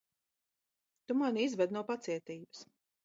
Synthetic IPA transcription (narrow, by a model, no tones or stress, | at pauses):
t̪umanizvɛd̪nuwpat̪siɛt̪iːbɨs